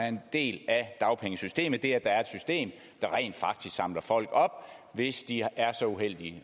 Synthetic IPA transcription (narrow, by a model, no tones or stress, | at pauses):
æɐend̥e̝̰ːlæd̥ɑ̈ʊpʰeŋəsysd̥e̝̰ːmð̩ˠd̥e̝æd̥ɑ̈æɐed̥sysd̥e̝̰ːm | d̥ɑ̈ʁɛ̰ɪ̰ːnd̥fɑ̈ɡ̥̚d̥isɡ̥sɑ̈m̰lɐfɒ̽l̰ɡ̥ɒ̽b̥̚ʋe̝sd̥iæɐsɒ̽uɦel̰d̥i